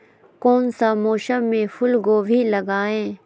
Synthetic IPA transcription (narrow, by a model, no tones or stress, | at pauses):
koːnsamoːʃəmːẽfʰʊlɡoːbʱilɐɡaːẽː